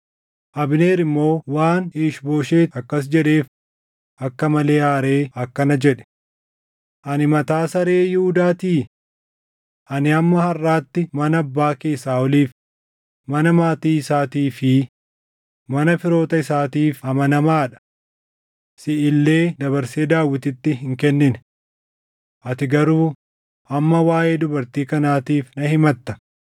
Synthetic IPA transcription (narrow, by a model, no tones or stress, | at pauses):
ʔɐbne̞ːɾɪmːo̞ːwaːniːʃbo̞ːʃe̞ːɐkːɐs̬d͡ʒɛᶑe̞ːf | ɐkːɐmɐle̞ːaːɾe̞ːɐkːɐnɐd͡ʒɛᶑɛ̥ | ʔɐnɪmɐt̪aːsɐɾe̞ːjɪhʊd̪aːt̪iː | ʔɐnɪɐmːɐhɐrːaːt̪ːɪmɐnɐːbːaːkeːsːaːɔliːf | mɐnɐmaːt̪iːɪsaːt̪iːfɪ | mɐnɐfɪɾo̞ːt̪ɐɪsaːt̪iːfɐmɐnɐmaːᶑɐ̥ | sɪʔɪlːeːd̪ɐβɐɾse̞ːd̪aːwːɪt̪ɪt̪ːɪɦɪŋkɛnːɪn | ʔɐt̪ɪɡɐɾuː | ʔɐmːɐwaːjeːd̪ʊbɐɾt̪iːkɐnaːt̪iːfnɐhɪmɐt̪ːɐ̥